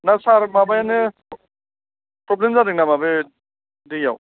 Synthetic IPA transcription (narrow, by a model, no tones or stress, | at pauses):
nasaɾmabajanɯ | pɾɔblemzadɯk̚namabe | dija̰w